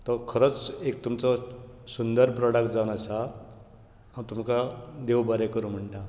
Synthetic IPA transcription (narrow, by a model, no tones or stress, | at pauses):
t̪ɔkʰəɾət͡sek̚t̪umt͡sɔ | sund̪əɾpɾɔɽakd͡zaʋnasa | ãt̪umkad̪ewbaɾɛkəɾum̤əɳʈa